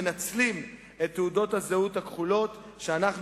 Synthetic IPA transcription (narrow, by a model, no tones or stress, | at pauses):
nat͡slim | e̞t̪ːeudo̞thazeuthakχulo̞t̪ | ʃeanaχn